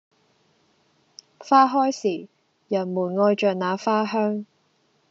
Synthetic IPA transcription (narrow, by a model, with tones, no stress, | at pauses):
faː˥ɦɔː˥jsiː˨˩ | jɐ˨˩nmuː˨˩nŋɔː˧jt͡ʃœː˨k̚naː˨˧faː˥ɦœː˥ŋ